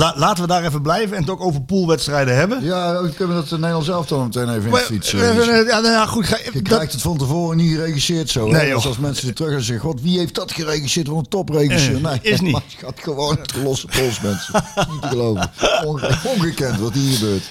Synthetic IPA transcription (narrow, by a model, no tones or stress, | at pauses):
alaːtəʋədaːrɛfənblɛjvənɛntɔχowvəɹpulˠʋɛtstrɛjdəɦɛbənjaːkønʋədɑtənejlˠɑnsɛlˠəftɔnəmətejnejvənɪfitsəjajaχutəkrɛjxtətfɑntəvoːrənixərejɣisɪːɹtsownɛesɛlˠsmɛnsədətrøxɛzɛɣxɔtʋiɦejft̚dɑtxərejɣisɪːɹtʋɑnətɔprejɣisøːnejɪsniaxatxəʋownətxəlɔsəpɔlˠsmɛnsəmutəɣəlowvə | ɔnɣəkɛntʋɑthiːɣəbøːɹt